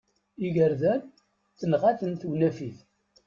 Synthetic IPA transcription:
iʝəɾðæn | θənʁaθənθwnæfiθ

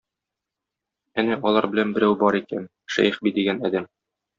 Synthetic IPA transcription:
ænæʔɒlˠɑɾbɘ̆lænbɘ̆ɾæwbɒɾikæn | ʃæ̰jχbid̪iɡænæd̪æm

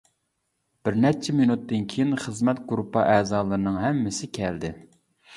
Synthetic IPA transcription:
b̥ɪɾnɛt͡ʃʰɛminut̪ːɨnkʲʰejinχəzmɛt̪̚ɡɾupːɑʔɛːzɑːlˠɨɾɨnɨŋɦɛmːɪsɪkʲʰɛld̪ɪ

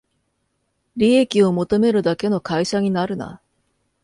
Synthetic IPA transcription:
ɾʲiekʲio̞mo̞t̪o̞me̞ɾɯ̟d̪ake̞no̞kaiɕaɲ̟inaɾɯ̟na̰

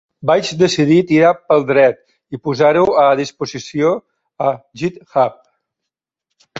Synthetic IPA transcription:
bad͡ʒd̪əsiðit̪iɾapəlˠd̪ɾɛt̪ | ipuzaɾuwəðispuzisio | əʒit̪xap̚

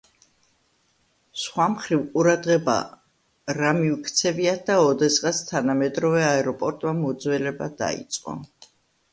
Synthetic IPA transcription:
sχwamχɾivqʼuɾad̪ʁɛba̰ | ɾamiukʰt̪sʰɛviat̪̚d̪aɔd̪ɛsqʼast̪ʰanamɛd̪ɾɔvɛaɛɾɔpʼɔɾt̪ʼmamɔd̪zwɛlɛbad̪a̰ḭt̪sʼqʼɔ̰

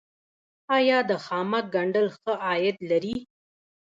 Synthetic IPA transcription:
ɑjɑd̪əxɑmak̚ɡaɳɖəlxəʔɑjɪd̪laɾi

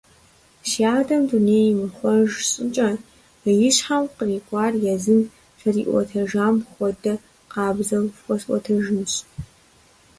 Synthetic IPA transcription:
ʃjaːdɐmduneːjmɨχʷɔʒɕʼɨt͡ʃʼɐ | jɪɕħawqəriːɡʷʼɑːrjɛzɨn | fʰɐrḭːʔʷɔ̰tʰɐʒaːmχʷɔdɐ | qɑːbzɐwxʷɔsʷʼɔ̰tʰɐʒɨnɕ

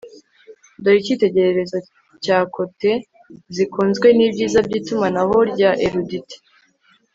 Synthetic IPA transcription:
doɾicite̞ɟe̞ɾeɾe̞zo | caːkʰo̞te̞ | zikuːnzɡwe̞niːbɟiːzabɟiːtumanaho̞ɾɟaʔeɾuditi̥

